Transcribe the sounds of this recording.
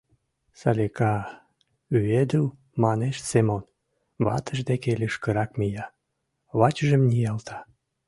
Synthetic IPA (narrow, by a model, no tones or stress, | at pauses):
sɑlʲekɑ | yed̪uw | mɑneʃsemon | βɑ̰t̪ʰəʒd̪ekelyʃkəɾɑkmijɑ | βɑt͡ɕəʒəmnʲijɑlt̪ʰɑ̥